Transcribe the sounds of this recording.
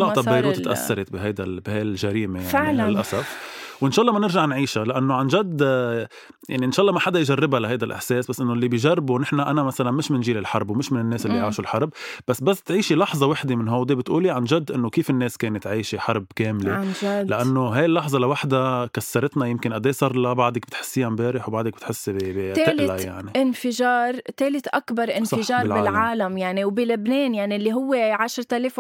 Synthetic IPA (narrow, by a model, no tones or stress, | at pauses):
lat̪ːˤɑbːajɾuːt̪ʔa̰sːɑɾˤɪt̪bɪɦajd̪albɪhajɪlʒaɾiːmejaʕʕiɪlʔasafwʔɪnʃɑːʔlˤːɑːmanɪɾʒaʕnʕiːʃalɪʔanːoʕanʒad̪ | ja̰ʕniʔɪnʃɑːʔlˤːɑːmaħad̪ajʒarˤːɪbalaɦajd̪alʔɪ̰ħseːsbasːʔɪnːolːibijʒarˤːɪbunɪħnaʔanamasalanmɪʃmɪnʒiːlɪlħɑɾˤbwmɪʃmɪnɪnːeːsʔɪlːijʕaːʃulħɑɾˤbbasːbasːt̪ʕiːʃilɑħzˤɑwaħd̪emɪnɦawd̪ebɪt̪ʔuːliʕanʒad̪ːʔɪnːokiːfɪnːeːskeːnɪt̪ʕiːʃiħɑɾˤbkeːmleʒalɪʔanːoɦajɪlːɑħzˤɑlawaħd̪akasːɑɾˤɪt̪najɪmkɪnʔad̪eːsˤɑɾˤlabaʕd̪ak̚bɪ̥t̪ħɪ̥sːiːjambeːɾɪħwbaʕd̪ak̚bɪt̪ħɪsːbt̪eːɪlʔɪlaja̰ʕniʔɪnfɪʒɑːɾˤt̪eːlɪt̪ʔakbɑɾˤʔɪnsɪʒɑːɾˤlʕbɪːlʕaːlamjaʕniwbɪlɪbneːnjaʕnilːiɦʊwːeʕaʃɾˤt̪aleːf